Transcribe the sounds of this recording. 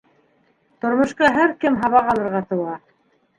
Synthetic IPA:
t̪ŏɾmŏʃqɑɦæɾkɘmɦɑβɑʁɑlˠɤ̆ɾʁɑt̪ɤ̆wɑ

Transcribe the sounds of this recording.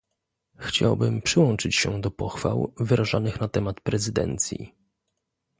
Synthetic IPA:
xt͡ɕa̰wbɘmpʂɘwɔnt͡ʂɘt͡ɕɕɛ̰d̪ɔpɔxfa̰wvɘɾaʐanɘxnat̪ɛmat̪pɾɛzɘd̪ɛ̰nt̪sʲjḭ

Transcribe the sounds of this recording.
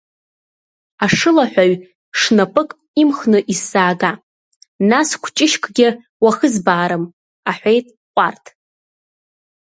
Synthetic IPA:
aʂɨlaħᶣʷaɥ | ʂnapʼɨkʼ | imχnɨʔisaːɡa | naskʷʰt͡ʃʼɪʃkʰʼɡʲɪ | waχəzbaːɾɨm | aħʷejtʼ | qʷʼartʰ

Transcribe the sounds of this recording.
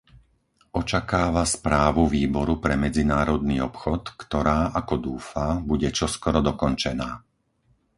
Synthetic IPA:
ɔt͡ʃakaːʋaspɾaːʋuʋiːbɔɾupɾɛmɛd͡zinaːɾɔd̪niːɔpxɔt̪kt̪ɔɾaːʔakɔd̪uːfabuɟɛt͡ʃɔskɔɾɔd̪ɔkɔnt͡ʃɛnaː

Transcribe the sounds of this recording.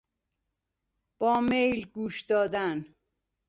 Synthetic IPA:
b̥ɔːmejlɡuːʃd̪ɔːd̪an

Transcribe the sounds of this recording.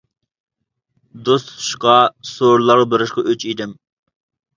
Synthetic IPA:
d̪ost̪ʰu̥ʃqɑsoɾlˠɑɾʁɑbeɾɪʃqɑʔøt͡ʃʰid̪ɪm

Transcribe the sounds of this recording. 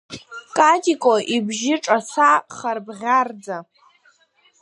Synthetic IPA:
kʼatʼikʼoʔibʒɪʈ͡ʂʼasaχarbʁʲard͡za

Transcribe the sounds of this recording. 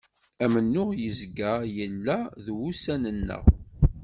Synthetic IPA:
æmənːʊʁjəzɡəjəlːæðwusænənːə̰ʁ

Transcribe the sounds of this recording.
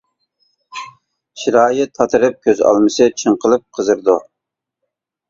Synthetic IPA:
ʃiɾɑːjɪt̪ʰːɑt̪ʰɨɾɨp̚kʲøzɑ̰lˠmɨsɨt͡ʃʰəɴqʰəlˠɨp̚qʰəzɨɾd̪u

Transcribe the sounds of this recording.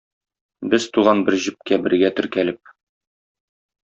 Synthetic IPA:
bɘz̥t̪uʁɑnbɘɾʑɘ̆p̚kæbɘ̆ɾɡæt̪ɵ̆ɾkælɘp̚

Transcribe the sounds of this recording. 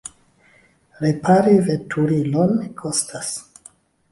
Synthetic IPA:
ɾepʰaɾivetʰuɾilonkʰostʰas

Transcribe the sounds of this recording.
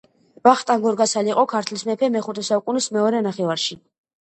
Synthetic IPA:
vaχt̪ʼaŋɡɔɾɡasaliqʼɔkʰaɾt̪ʰlismɛpʰɛmɛχut̪ʰɛsaukʼunismɛɔɾɛnaχɛvaɾʃi

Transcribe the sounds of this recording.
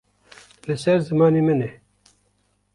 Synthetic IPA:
lɨsɛɾzɨmɑːneːmɨne

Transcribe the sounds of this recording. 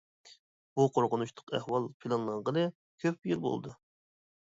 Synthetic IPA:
b̥uqʰoɾqʊnuʃt̪ʰʊ̥qʰæhwɑlˠpʰilˠɑnlˠɑʁʁənɨ | kʲʰøp̚jylbo̰lˠd̪u

